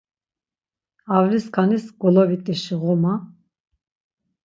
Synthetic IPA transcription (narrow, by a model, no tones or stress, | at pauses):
avliskʰanisɡɔlɔvit̪ʼiʃiʁɔma